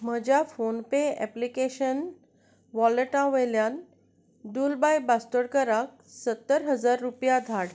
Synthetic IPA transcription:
m̤əd͡ʑjafonpeɛ̰plikeɕən | ʋɔləʈãʋəjljãn | ɖulbajbasʈ̪əɽkəɾak̚sət̪ːəɾɦəd͡zaɾːupjad̪ʱaɽ

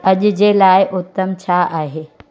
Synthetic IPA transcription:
ɐʄʊ̆d͡ʑeːlaːɪʔʊt̪ːəmt͡ɕʰaːaːɦeː

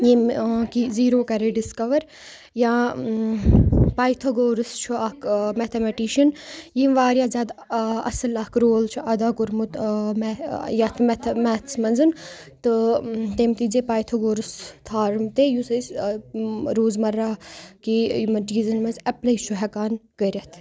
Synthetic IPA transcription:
jimkiziːɾoːkɐɾeːɖiskɐʋɐɾ | jãː | paːjt̪ʰoɡoːɾɨst͡ʃʰuɐkmɛt̪ʰemɛʈiʃɐnjiːmʋaːɾjaːzʲaːd̪ɐ̰sɐlɐkɾoːlt͡ʃʰuʔɐd̪aːkʊɾmut̪mɛjat̪ʰmɛt̪ʰmɛːt̪ʰsmɐnzɨn | t̪ɨt̪emt̪iːd͡ʒepaːjt̪ʰɐɡoːɾɨst̪ʰaːɾmt̪eːjusɐs | ɾoːzmɐɾːaːkijumɐnʈiːzɐnmɐnzɐplɐjt͡ʃʰuɦɛkaːnkɐɾʲɐt̪ʰ

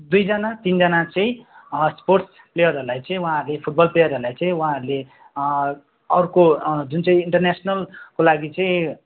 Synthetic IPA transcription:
d̪ujd͡zʌnat̪ind͡zʌnat͡sʌĩsporʈs | plejʌrɦʌɾulajt͡sʌĩwɦãɦʌɾulepʰuʈ̚bʌlplejʌɾɦʌɾulajt͡sʌ̃ĩwuɦãɦʌɾule | ʌɾukod͡zunt͡sʌĩiɳʈʌrnesnʌlkolaɡit͡sʌĩ

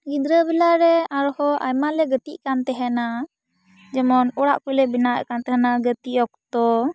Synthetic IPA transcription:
ɡid̪ɾəbɛlaɾɛaɾɔhɔʔa̰jmalɛɡət̪iʔkant̪ɛɦɛna | d͡ʒɛmɔnɔɽa̰ʔkujlɛbinaʔkant̪ɛɦɛnaɡət̪iʔɔk̚t̪ɔ

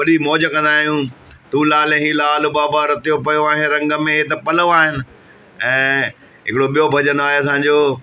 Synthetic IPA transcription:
ʋɐɗimɔːd͡ʑəkɐ̃nd̪aːɦijũt̪ũːlaːlẽɦilaːlʊbaːbaɾɐt̪ijopɐjoaːɦɪnɪ̆ɾɐ̃ŋɡə̆mẽɦt̪̬ɐpɐloaːɦɪnɪ̆ | ɛ̃ː | ɦɪkɪɽoɓijobʱɐd͡ʑənoaːɦeɐs̬ãɲd͡ʑoː

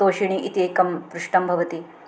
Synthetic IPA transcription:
oːʃiɳiʔit̪eːkɐmpɾuʂʈɐmbʱɐʋɐt̪i

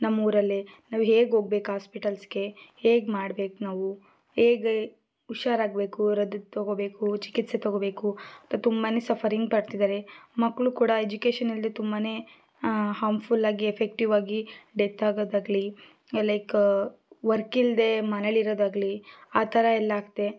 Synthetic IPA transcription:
nɐmːuːɾɐlːenaːʋuɦe̞ːɡɦo̞ːɡ̚be̞ːkɦaːspiʈɐlsɡe̞heːɡmaːɽbe̞ːkunaːʋu | heːɡ | uʃaːɾaːɡbeːkuɾɐd̪t̪oɡobe̞ːkut͡ʃi̥kit̪set̪oɡobeːkuɐt̪at̪umbaːneːsɐpʰɐɾiŋɡ̚pɐɽt̪id̪aːɾemɐkːɭukuːɽɐed͡ʒukeːʃɐnild̪et̪umbaːne̞ | haːmfʰulaːɡiefek̚ʈiʋaːɡiɖet̪aːɡoːd̪aːɡli | lɐjk | ʋɐɾkild̪e̞mɐneɭiɾoːd̪aːɡliaːt̪ʰɐɾɐɛlːaːɡt̪ːe̞

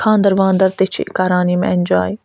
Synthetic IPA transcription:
kʰãːnd̪ɐɾʋãːnd̪ɐɾt̪et͡ʃʰḭkaːɾaːniːmeɛnʲd͡ʒaːj

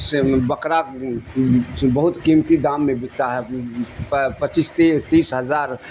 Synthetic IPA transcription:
sbəkɾa | bəɦʊt̪kiːmt̪id̪aːmːẽbɪkt̪aɦɛ | pət͡ʃist̪et̪iːsɦəzaːɾ

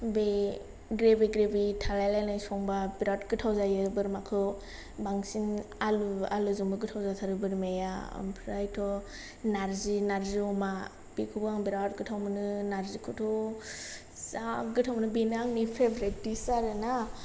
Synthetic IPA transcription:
be | ɡɾebiɡɾebitʰalajlajnajsɔŋbabiɾatɡɯtʰawzajɯbɯɾmakʰɯ | baŋsinalua̰lɯzuŋbɯɡɯtʰawzatʰaɾɯbɯɾmeja̰mpʰɾajtʰɔ | naɾzinaɾziɔma | b̥ikʰubaŋbiɾat̚ɡɯtʰawmɯnɯnaɾzikʰɯtʰɔ | zaɡɯtʰawmɯnɯbinaŋnipʰebɾet̚disaɾɯna

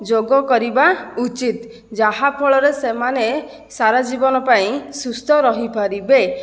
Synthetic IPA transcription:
d͡ʒoɡɔkɔɾibaut͡ʃit̪ | d͡ʒaɦapʰɔɭɔɾesemane | saɾad͡ʒibɔnɔpaĩsust̪ʰɔɾɔɦipʰaɾibe

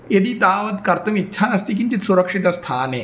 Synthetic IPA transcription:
jed̪it̪aːʋɐt̪kɐɾt̪umit̪ːɕʰaɐst̪ikint͡ɕ̪it̪suɾəkʂit̪ɐst̪ʰaːne

